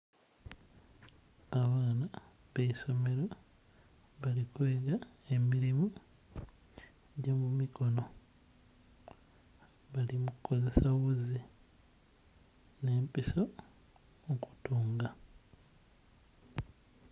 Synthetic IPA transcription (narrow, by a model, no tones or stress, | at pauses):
aβaːna | βeiso̞me̞ɾo | βalikweːɡae̞miɾimu | ɟomumiko̞no̞ | βalimuku̥ko̞ze̞saɣuzi | ne̞ːmpiso̞ | oku̥tuːŋɡa